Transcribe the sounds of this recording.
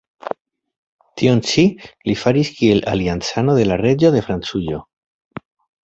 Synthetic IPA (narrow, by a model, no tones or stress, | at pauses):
t̪ʰio̞nt͡ʃilifaɾiskie̞la̰liant͡sano̞ðe̞lare̞d͡ʒo̞ðe̞fɾant͡sujo̞